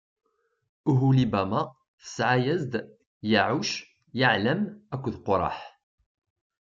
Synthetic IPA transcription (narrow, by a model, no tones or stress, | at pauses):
uɦulibæma | θə̥sʕajæzd̪ | jaʕuʃ | jəʕləmækʷːðqoɾˤɑ̰ħ